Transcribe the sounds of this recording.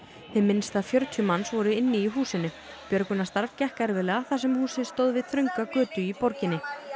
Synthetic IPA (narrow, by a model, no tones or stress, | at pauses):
θɪðmɪnst̪aðfjœɾt̪ʰjʏmansvɔɾʏɪnːɪiɦuːsɪnʏ | pjœɾkʏnast̪aɾvcɛhkɛɾvɪlɛːɣaθasɛmhuːsɪ̥st̪owðvɪðθɾœjŋkakœːt̪ʏipɔɾcɪnːɪ